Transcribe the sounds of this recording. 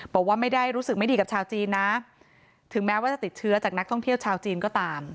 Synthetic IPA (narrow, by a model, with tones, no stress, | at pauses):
bɔː˨˩k̚waː˥˩ma˥˩jda˥˩jɾuː˦˥sɯ˨˩k̚ma˥˩jdiː˧ka˨˩p̚t͡ɕʰaː˧wt͡ɕiː˧nːa˦˥ | t̪ʰɯ˩˦ŋmɛː˦˥waː˥˩t͡ɕa˨˩t̪i˨˩t̪̚t͡ɕʰɯ˦˥ɐt͡ɕaː˨˩k̚na˦˥kt̪ʰɔ˥˩ŋt̪ʰi˥˩əwt͡ɕʰaː˧wt͡ɕiː˧nkɔː˥˩t̪aː˧m